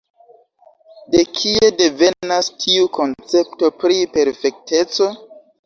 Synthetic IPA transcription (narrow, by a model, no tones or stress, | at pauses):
de̞kʰie̞de̞ve̞nastʰiuko̞nt͡se̞p̚to̞pɾipe̞ɾfe̞k̚te̞t͡so̞